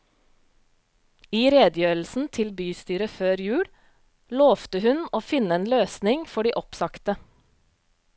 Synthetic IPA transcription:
iːɾeːd̪jøːɾl̩sn̩t̪ʰɪlbyːst̪yːɾəføːɾjʉːɽ | loːft̪əhʉnoːfɪnəeːnløːsnɪŋfɔɖiːʔɔpsɑkt̪ə

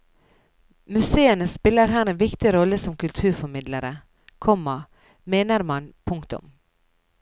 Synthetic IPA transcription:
mʉseːənəspɪlːəɾɦæːɾeːnʋɪkt̪ɪɾɔlːəsɔmkʉlt̪ʰʉːɾfɔɾmɪd̪ləɾə | kʰɔmɑ | meːnəɾmɑnpʰʊŋkt̪ʊ̰m

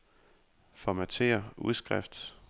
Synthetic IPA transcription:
fɒmæt͡sʰe̝̰ːɐuðˠsɡ̥ʁafd̥

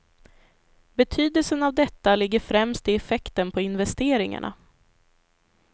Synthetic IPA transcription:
bɛt̪ʰyːd̪əlsənavd̪ɛt̪ːalɪɡːəɾfɾɛmst̪ɪɛfɛkt̪ənpʰɔɪn̪vɛst̪eːɾɪŋa̰ɳʔa̰

